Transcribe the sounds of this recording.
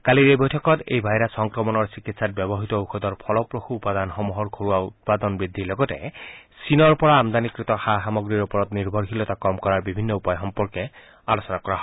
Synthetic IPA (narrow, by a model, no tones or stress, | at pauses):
kaliɾebɔjtʰɔkɔtḛjbʱajɾasɔŋkɹɔmɔnɔɹsikitsat̚bjɔbɔɦit̪ɔuxud̪ɔɹpʰɔlɔpɹoxuːpad̪anxɔmuɦɔɹkʰoɹuwaut̪̚pad̪ɔnbɹid̪ʱːilɔɡɔtɛ̰sinɔɹpɔɹaːmd̪anikɹit̪ɔxaɦamɔɡɹiɹupɔɹɔt̪niɹbʱɔɹxilɔt̪akɔmkɔɹaɹbibʱinːɔupajxɔmpɔɹkɛ | alosɔnakɔɹaɦɔ